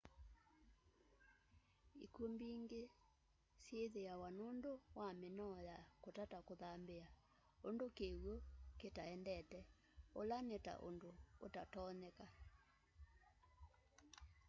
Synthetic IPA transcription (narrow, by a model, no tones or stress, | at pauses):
ikombiːŋɡe | sjeðeawanondowamenɔjakotatakoðambea | ondokeɣwoketaɛndɛtɛ | olaneta̰ʔo̰ndoːtatɔnɛka